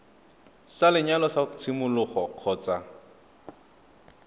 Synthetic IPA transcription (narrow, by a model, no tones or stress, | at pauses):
salɪɲalɔsat͡sʰɪmʊlʊχɔq͡χʰɔːt͡sa